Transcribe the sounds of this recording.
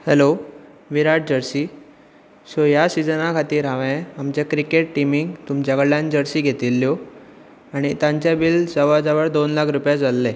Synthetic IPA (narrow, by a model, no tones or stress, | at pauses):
hɛlo | ʋiɾaʈ̚ʰd͡ʑəɾsi | sojasid͡zənakʰat̪iːɾɦaʋẽamt͡ɕakɾikeʈʈimiŋɡt̪umt͡ɕaɡɭjand͡ʑəɾsiːɡʱet̪ilːjo | aɽ̃it̪ãɲt͡ɕjabild͡zəʋad͡zaʋəɾd̪onlakʰɾupjad͡zalːe